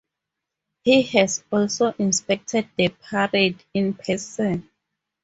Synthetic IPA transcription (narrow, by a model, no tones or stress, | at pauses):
hihɛsɔlsoʔĩnspɛk̚tʰɛd̚ðəpʰaɹedĩnpʰɛsɔ̃n